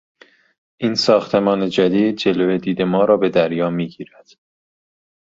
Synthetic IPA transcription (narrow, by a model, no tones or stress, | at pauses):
ʔiːnsɒːxt̪ʰe̞mɒːne̞d͡ʒæd̪iːd̪̚d͡ʒe̞loːed̪iːd̪e̞mɒːɾɒːbe̞d̪æɾjɒːmiːɟiːɾæd̪̥